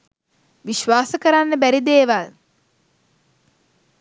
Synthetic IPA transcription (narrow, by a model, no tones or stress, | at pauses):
ʋiʃʋaːsəkəɾanːəbæɾid̪eːʋal